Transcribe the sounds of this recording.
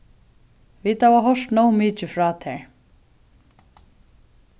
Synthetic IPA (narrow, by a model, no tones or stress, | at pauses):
viːt̪havaɦɔʂt̪nowmɪːt͡ʃɪfɾaːt̪ʰɛɹ